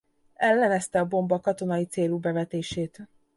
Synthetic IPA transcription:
ɛlːɛnɛst̪ɛɒbo̞mbɒkɒt̪o̞nɒjit̪seːlubɛvɛt̪eːʃeːt̪

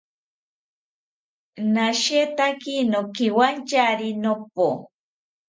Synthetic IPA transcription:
naʃet̪akinokiwant͡ʃaɾinop̚o

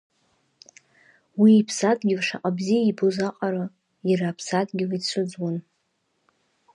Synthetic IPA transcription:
wiːpʰsatʰʼɡʲɪvʂaqʼabzijaibozaqʼaɾa | jiɾaːpʰsatʼɡʲɪlit͡sʷʰʊd͡zwan

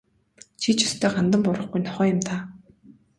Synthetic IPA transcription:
t͡ɕʰit͡ɕʊ̥st̪ʰœːɢant̪ə̆mpʊɾə̆χɡujnɔχœːjʊ̆mt̪ʰaː

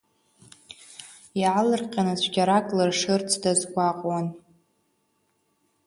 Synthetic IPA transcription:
jaʕlɨrqʲʼanat͡ɕʷʰɡʲaɾakʼlɨrʂɨrt͡sʰdazɡʷaqʼwan

